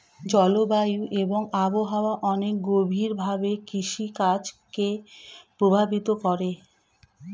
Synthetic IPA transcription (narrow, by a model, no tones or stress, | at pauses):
d͡ʑɔlobajuʔeboŋaboɦaoaʔɔnek̚ɡobʱiɾbʱabekiʃikat͡ɕkepɾobʱabit̪okɔɾe